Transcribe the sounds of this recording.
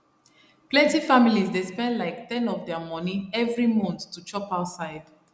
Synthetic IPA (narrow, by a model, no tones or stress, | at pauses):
plɛ̃ntifamilizdespɛ̃ndlaɪktɛ̃nɔfdɛəmɔnĩɛvɹimɔ̃nttːut͡ʃɔpaʊtsaɪd̥